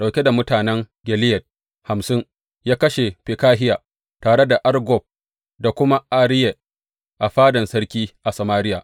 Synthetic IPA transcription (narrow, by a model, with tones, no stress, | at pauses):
ɗa˨wkʲe˦da˨mʊ˦taː˨nɛ˦ŋ | ɡʲɛ˨lɪ˦jɐ˨t̚ | ha˨msɪ˦ŋ | jaː˦kɐ˦ʃe˨ɸɪ˨kaː˦ɦɪ˦jaː˨ | taː˨ɽe˦da˨ʔa˦rɡɔ˨b̚ | da˨kʷʊ˦ma˦ʔa˨ɽɪ˦je˨ | ʔa˨ɸaː˦dɐ˨nsɐ˦rkʲiː˦ʔa˨sɐ˨maː˦ɾɪ˦jaː˨ʔ